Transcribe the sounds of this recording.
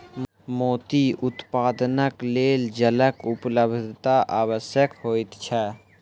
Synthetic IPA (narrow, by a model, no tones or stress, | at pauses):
moːt̪iʊt̪paːd̪nəkleːld͡ʒələkʊpləbʱd̪ʱt̪aʔaːwəsjəkhoːit̪t͡ʃʰɛː